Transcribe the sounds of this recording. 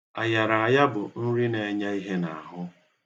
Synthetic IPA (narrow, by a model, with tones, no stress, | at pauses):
a˨ja˨ɾa˨a˨ja˦bʊ˨n̩˦ɾi˦ne˨˦ɲa˦i˦ɦe˦na̰˨a˨ɦʊ˦